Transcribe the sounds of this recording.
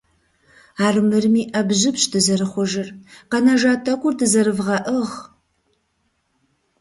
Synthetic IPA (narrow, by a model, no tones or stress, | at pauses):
aːrmɨrmiːʔɐbʑɪpɕdɨzɐrɨχʷɔʒɪrqɐnɐʒaːtʰɐkʷʊrdɨzɐrɨvʁɐʔəʁ